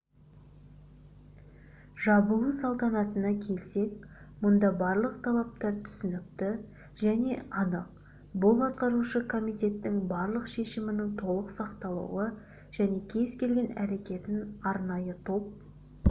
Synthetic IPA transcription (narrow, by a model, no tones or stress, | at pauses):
ʒɑbəəsɑlˠt̪ɑnɑt̪ənɑkʲʰe̞lse̞kmʊnd̪ɑbɑɾlˠəqt̪ʰɑlˠɑp̚t̪ɑɾt̪ʰʏ̥sɪnɪp̚t̪ɪ | ʒæne̞ʔɑnəq̚ | bʊlˠɑt̪̚qɑɾuʃəkʰo̞mijt̪e̞t̪ːɪŋbɑɾlˠəqʃe̞ʃɪmɪnɪŋt̪ʰo̞lˠəqsɑqt̪ɑlˠə̰wə | ʒ̥æne̞kʲʰe̞zkʲʰe̞lɡʲe̞næɾe̞kʲe̞t̪ɪnɑɾnɑjət̪ʰo̞p̚